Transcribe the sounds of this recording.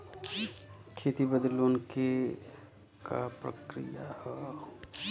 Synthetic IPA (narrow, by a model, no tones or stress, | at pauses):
kʰet̪ibəd̪loːnke | kapɾə̰kɾḭjahɛ